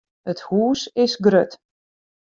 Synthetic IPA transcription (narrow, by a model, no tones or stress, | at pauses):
əthuːsɪsɡrøt